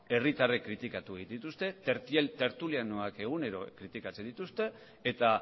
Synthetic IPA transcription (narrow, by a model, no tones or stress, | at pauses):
e̞rit̪arekːɾit̪ikat̪uɣnd̪it̪ust̪e̞t̪e̞ɾt̪ie̞lt̪e̞ɾt̪uliano̞ake̞ɣ̞une̞ɾo̞̰kɾit̪ikat͡se̞nd̪it̪ust̪e̞ː | t̪a